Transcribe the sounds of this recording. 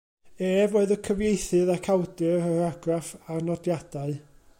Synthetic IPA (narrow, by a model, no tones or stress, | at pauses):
eːvoːɨðəkʰəvjejθɨðakʰawdɨrəɾaɡrafarnɔdjad̥aɨ